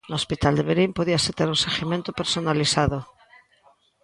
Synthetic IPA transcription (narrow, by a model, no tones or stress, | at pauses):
noospit̪ald̪eβeɾimpoðiaset̪eɾunseɣimẽnt̪opeɾsonaliθaðo